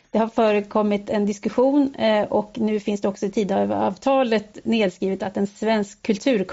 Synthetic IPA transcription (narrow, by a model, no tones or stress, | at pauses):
d̪̥ɛhaɾfœːɾəkʰɔmːɪt̪ɛnd̪ɪskɵɧuːnʔɔknʉ̟ːfɪnsd̪ɛɔksɔɪt̪ʰiːd̪vɑːvt̪ʰɑːlət̪neːd̪skɾiːvʋət̪at̪ɛnsvɛnskʰːɵlt̪ʰʉ̟ːɾkʰ